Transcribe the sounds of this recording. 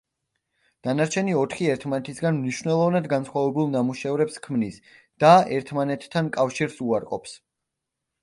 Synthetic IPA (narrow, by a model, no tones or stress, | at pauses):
d̪̥anaɾt͡ʃʰɛniɔt̪ʰχiɛɾt̪ʰmanɛt̪ʰisɡanmniʃvnɛlˠɔvnad̪ɡansχwavɛbulˠnamuʃɛvɾɛpskʰmnis | d̪̥aɛɾt̪ʰmanɛt̪ʰːankʼafʃiɾsuaɾqʼɔ̰ps